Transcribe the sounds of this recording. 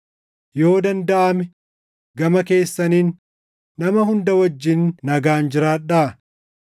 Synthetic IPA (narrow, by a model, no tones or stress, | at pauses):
jo̞ːd̪ɐnd̪ɐʔɐmɛ | ɡɐmɐke̞ːsːɐniːnː | ɐmɐhʊnd̪ɐwɐd͡ʒːɪnːɐɡaːnd͡ʒɪɾaːᶑa